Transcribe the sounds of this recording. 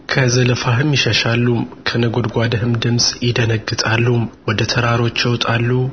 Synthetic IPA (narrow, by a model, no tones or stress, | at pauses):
kʰəzələfaɦɨmjɪʃəʃalːumkʰənəɡo̞d̪ɡʷad̪əɦɨmd̪ɨmsʼjɪd̪ənəɡːɨt̪ʼalːumwɔd̪ət̪ʰəɾaɾo̞t͡ʃːjɛwt̪ʼalːu